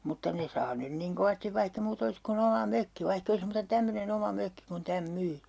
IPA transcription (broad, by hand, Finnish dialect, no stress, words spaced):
mutːɑ ne sɑː nyn niŋ koʋɑstiʋ ʋɑihk e muːtɑ̆ olis kun omɑ møkːi ʋɑihk ei olis muːtɑ tæmːønen omɑ møkːi kun tæm myː